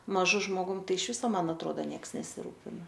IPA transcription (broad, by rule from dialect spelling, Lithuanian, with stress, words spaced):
mɐˈʒʊ ʒmoːˈɡʊm ˈtɐɪ ɪʃ ˈʋʲɪsoː ˈmɐn ɐtˈroːdɐ ˈnʲiɛks nʲɛsʲɪˈruːpʲɪnɐ